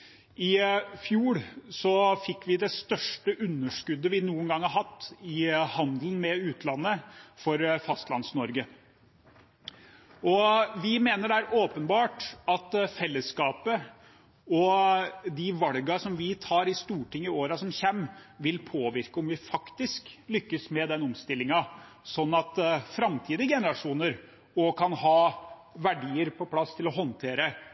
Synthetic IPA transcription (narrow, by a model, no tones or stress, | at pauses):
ɪfjuːɽsɔfɪkːʋɪd̪ɛst̪œʂʈəʔʉnːəʂkʉd̪ːəʋɪnuːənɡɑŋhɑɾɦɑt̪ːɪhɑnd̪lnmɛʉːt̪ʰlɑnːəfɔɾfɑst̪lɑ̰nsnɔɾɡə | ɔʋɪmeːnəɖææɾʔoːpənbɑːʈɑt̪fɛlːəskɑːpə | ɔ | d̪ɪʋɑlɡɑsɔmʋɪt̪ʰɑːɾɪst̪uːʈɪŋːɪoːɾɑsɔmçɛmːʋɪlpʰoːʋɪɾkəɔmʋɪfɑkt̪ɪsklʏkːəsmɛd̪ɛnɔmst̪ɪlːɪŋɑ | sɔnːɑt̪fɾɑmt̪ʰiːd̪əɡɛnəɾɑʂuːnəɾ | ɔkʰɑnhɑːʋæɖiːəɾpʰɔpʰlɑst̪ʰɪlɔɦɔnt̪ʰeːɾə